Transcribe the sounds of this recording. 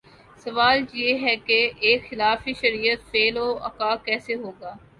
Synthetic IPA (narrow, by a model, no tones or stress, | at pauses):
sɐʋaːljeːɦɛkeeːkxɪlaːfiʃɐɾiːət̪feːloːɐ̰kaːkɛːseɦoːɡaː